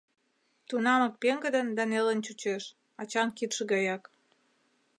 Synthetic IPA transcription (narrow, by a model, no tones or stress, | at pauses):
t̪unɑmə̆k̚peŋɡə̆d̪ənd̪ɑnelənt͡ɕut͡ɕeʃ | ɑt͡ɕɑnkit̪ʃə̆ɣɑjɑk